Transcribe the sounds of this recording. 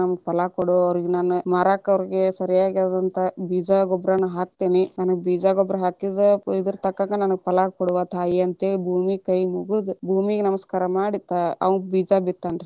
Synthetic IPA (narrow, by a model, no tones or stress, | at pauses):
ɐmɐɡpɐlakɔɽuɐʋɾiɡenaːnumaːɾaːkɐʋɾiɡesɐɾijaːɡiad̪ɐnt̪ʰɐbiːd͡ʒaɡɔbɾanɐɦaːk̚t̪eːninaːnɐɡebiːd͡ʒaːɡɔbɾɐɦaːkid̪ɐid̪ɐɾt̪ɐkːaŋɡɐnɐnɐɡpɐlaːkɔɽuʋaːt̪ʰaːjiɐnt̪ebʱuːmikɐjmuɡud̪ubʱuːmiɡenɐmɐskaːɾɐmaːɽit̪aɐ̰ʋɐnɡbiːd͡ʒabit̪ːaːnɾi